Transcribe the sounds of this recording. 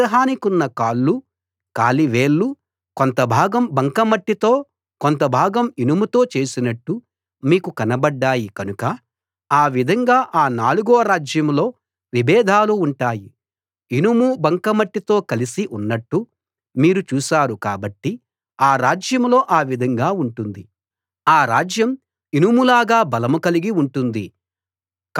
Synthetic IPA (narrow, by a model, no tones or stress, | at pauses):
ɐɦaːnikunːɐkaːɭːu | ka̰ːliʋe̞ːɭːu | kont̪ɐbʱaːɡɐmbɐŋkɐmɐʈːit̪oː | kont̪̬ɐbʱaːɡɐminumut̪o̞ːt͡ʃe̞ːsinɐʈːu | miːkukɐnɐbɐɖːaːjikɐnukɐ | aːʋid̪ʱɐŋɡaːʔaːnaːluɡoːɾaːd͡ʒjɐmlo̞ː | ʋibɛːd̪ʱaːluːɳʈaːji | inumubɐŋkɐmɐʈːit̪o̞ːkɐlisiʔunːɐʈːu | miːɾut͡ʃuːsaːɾuka̰ːbɐʈːi | aːɾaːd͡ʒjɐmlo̞ːʔaːʋid̪ʱɐŋɡaːuɳʈund̪i | aːɾaːd͡ʒjɐm | inumulaːɡaːbɐlɐmukɐliɡiuɳʈund̪i | k